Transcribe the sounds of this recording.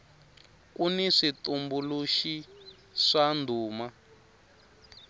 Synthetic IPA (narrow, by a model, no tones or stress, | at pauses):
kuniʂitumbuluʃi | ʂandʱuːma